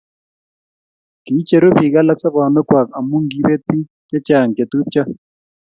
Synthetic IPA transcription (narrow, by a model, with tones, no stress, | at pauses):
ki˨˦t͡ʃe˨ɾo˦bi˨ɣa˦la˦ksa˦βa˨nɔ˦kwa˨ka˨mu˦ŋɡi˦βe˦ti˦ | kɛ˦t͡ʃa˨ŋ˨ke˨t̪u˦p̚t͡ʃa˦